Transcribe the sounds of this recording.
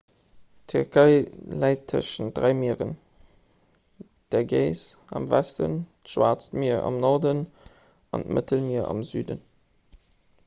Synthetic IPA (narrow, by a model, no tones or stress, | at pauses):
tʰyʁkʰəɪlæɪtʰːə̰ʃən̚d̥ʁæɪmiːʁən | d̥ɛɐɡeɪsɑmvæstə̰ntʃwaːt͡stmiɐɑ̰mnɔʁdən | ɑ̰ntmə̰təlmiɐɑ̰mzyːdə̰n